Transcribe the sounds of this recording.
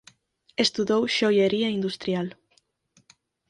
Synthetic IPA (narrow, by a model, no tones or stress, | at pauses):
est̪uðowʃojeɾiaind̪ust̪ɾjal